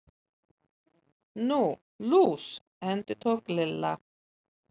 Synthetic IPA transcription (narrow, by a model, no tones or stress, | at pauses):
nuː | luːs | ɛnt̪ət̪ʰɔːɡlɪlːa̰